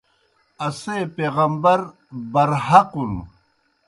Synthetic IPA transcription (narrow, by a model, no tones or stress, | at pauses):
ɐseːpeːɣɐmbɐɾ | bɐɾɦɐqun